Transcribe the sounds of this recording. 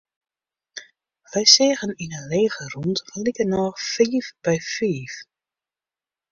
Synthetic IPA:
ʋɛjseːɣəninəleːɣəruntfəlikənɔχfiːfb̥ɛjfiːf

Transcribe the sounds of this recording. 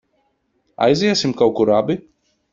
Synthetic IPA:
a̰jziɛsimkawkuɾabi

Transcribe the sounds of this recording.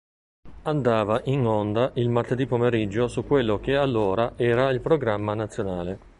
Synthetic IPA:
and̪aːvaʔinond̪aʔilmart̪ed̪ipomeɾid͡ʒːosukːwelːok̟ealːoːɾaʔɛːɾailpɾoɡɾamːanat̪sːjonaːle

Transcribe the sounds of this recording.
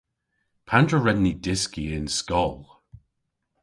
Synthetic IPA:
pʰandɹəɹɛnnːidɪskiɪnskɔlˠ

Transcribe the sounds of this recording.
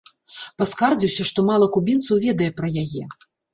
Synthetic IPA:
paskard͡zʲiwsʲɐʂt̪ɔmalˠɐkubʲint̪sɐwvʲɛd̪ɐjɛpɾɐjajɛ

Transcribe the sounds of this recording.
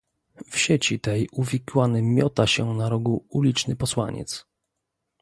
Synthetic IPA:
fɕet͡ɕit̪ɛjuvʲikwanɘmʲjɔt̪aɕɛnaɾɔɡuulʲit͡ʂnɘpɔswa̰ɲɛ̰t̪s

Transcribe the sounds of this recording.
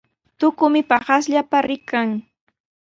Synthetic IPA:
t̪ʊkʊmɪpɑχas̬ʎapaɾʔɪkaŋ

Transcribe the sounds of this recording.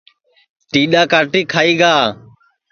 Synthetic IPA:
ʈiːɗaːkaːʈiːkʰaːiːɡaː

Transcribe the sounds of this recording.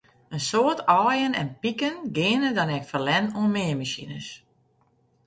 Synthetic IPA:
ənsoətʰɔːjənɛ̰npikənɡɪːənədɔnɛkfərlɛnunmɪəmasinəs

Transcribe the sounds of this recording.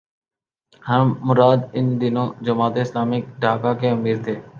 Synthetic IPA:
həɳmʊɾaːd̪ɪnd̪ɪnõːd͡ʒəmaːt̪eːslaːmɪk̚ɖʱaːkaːkʰeːʊmiːɾt̪ʰeː

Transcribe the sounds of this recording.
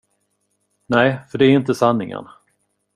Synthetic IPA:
næɪfœɖɛːɾɪnt̪əsanːɪŋə̰ɳ

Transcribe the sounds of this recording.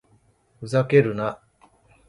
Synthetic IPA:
ɸɯ̟zake̞ɾɯ̟na

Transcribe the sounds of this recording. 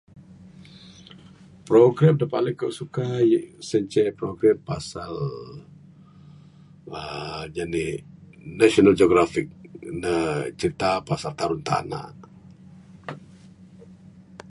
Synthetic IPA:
pɾoɡɾɛmdapa̰ʔləkoʔsukajsəɲt͡ʃɛpɾoɡɾampasal | əd͡ʒani | naʃonald͡ʒoɡɾafik̚nət͡ʃəɾit̪apasalt̪aɾʊnt̪a̰na̰

